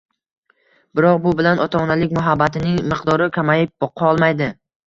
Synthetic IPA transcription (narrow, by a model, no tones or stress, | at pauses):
bɪɾɒqbʊbɪlanʔɒt̪ʰanalɪk̚ʲmʊɦabːat̪ɪnɪŋmɪqd̪ɒɾɪkʰʲamajɪp̚b̥ɒqʰɑɒlˠmajd̪ɪ